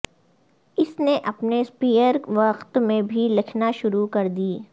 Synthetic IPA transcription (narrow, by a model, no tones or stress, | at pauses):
ɪsneʔɐpnespiːəɾʋɐqt̪mẽbʱilɪkʰnaʃʊɾukɐɾd̪iː